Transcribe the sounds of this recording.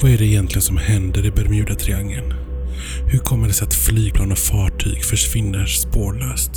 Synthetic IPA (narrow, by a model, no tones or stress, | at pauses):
vaæɖɛɪjɛnt̪lɪɡənsɔmhɛnd̪əɾɛbæɾmjʉ̟ːd̪at̪ʰɾɪaŋːən | hɵɾkʰɔmːəɖɛsɛat̪flyːɡ̚pʰlɑːnɔfɑːʈʰy̰ːɡfœʂvɪnːəʂspoːɾɭœːst̪